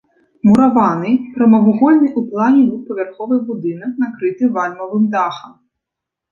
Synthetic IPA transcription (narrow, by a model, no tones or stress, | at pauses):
muɾɐʋɑnɪjpɾɔmɐɦʊɦɔlʲnijʔuplˠɑnʲibʲupɔʋʲerxɔʋɪjbud̪ɪnɔknɐkɾɪt̪ɪʋɑlʲmɔlɪmd̪ɑxɐm